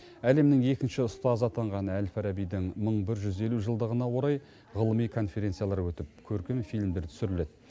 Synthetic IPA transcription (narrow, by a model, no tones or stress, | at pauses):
æle̞mnɪŋe̞kʲɪnʃɪʊst̪ɑzɑt̪ʰɑɴʁɑnælfæɾɑbijd̪ɪŋməɴbɪɾʒʏze̞luʒəlˠd̪əʁənɑwo̞ɾɑj | ʁəlˠəmijkʰo̞nfe̞ɾʲe̞nt̪sɨjɑlˠɑɾwɵt̪ɪp̚kʲʰɵɾkʲemfijlmd̪e̞ɾt̪ʰsʏɾɪle̞d̪̚